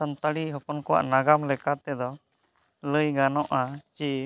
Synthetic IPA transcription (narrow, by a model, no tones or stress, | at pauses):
ənt̪aɽiɦɔpɔnkɔwa̰ʔnaɡamlɛkat̪ɛd̪ɔ | ləjɡanɔʔat͡ʃi